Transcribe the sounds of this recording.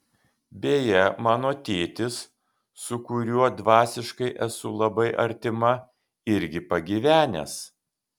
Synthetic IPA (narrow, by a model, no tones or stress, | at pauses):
bʲeːjɛmɑːnoːt̪ʲeːt̪ʲɪsː | ʊkʊɾʲuɔd̪ʋɑːsʲɪʃkɐɪʔɛsʊlˠɐbɐɪʔɐ̰ɾʲt̪ʲɪmɐ | ɪɾʲɡʲɪpɐɡʲiʋʲæːnʲɛ̰ːs